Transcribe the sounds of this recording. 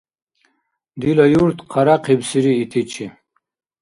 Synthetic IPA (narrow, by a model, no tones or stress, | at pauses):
d̪ilɐjuɾt̪qʰaɾaqebsiɾiːt̪ʰit͡ɕʰi